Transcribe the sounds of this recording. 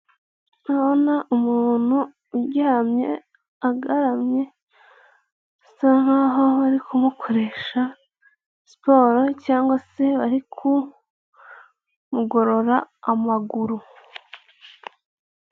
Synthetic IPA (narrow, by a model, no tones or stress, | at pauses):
aβonaʔumuːn̥huː | ɟamɲe̞̰ | aɡaɾamɲe̞ | san̥haɦo̞βaɾikʰumukʰo̞ɾe̞ːʃa | spo̞ːɾocaːŋɡwase̞βaɾikʰu | muɡo̞ɾo̞ɾaːmaɡuɾu